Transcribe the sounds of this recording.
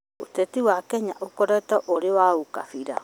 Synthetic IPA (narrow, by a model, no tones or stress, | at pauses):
o̰tetiwakɛɲaʔokoɾɛtɔʔoɾewauka̰fiɾa̰